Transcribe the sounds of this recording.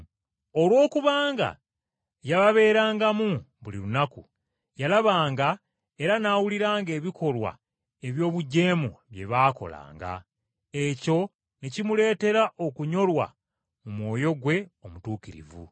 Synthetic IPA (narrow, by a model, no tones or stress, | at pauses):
o̞lwo̞ːkuβaːŋɡa̰ | jaβaβe̞ːɾaːŋɡamuβulilunaku | jalaβaːŋɡa | e̞ɾanaːwuliɾaːŋɡe̞ːβikʰo̞lwa̰ | e̞βjo̞ːβuɟe̞ːmṵβje̞̰βaːko̞̰la̰ːŋɡa̰ | eco̞ | nicimule̞ːte̞ɾaʔo̞kuɲo̞lwa̰ | mumwo̞ːjo̞ɡwe̞o̞mutuːkiɾḭvṵ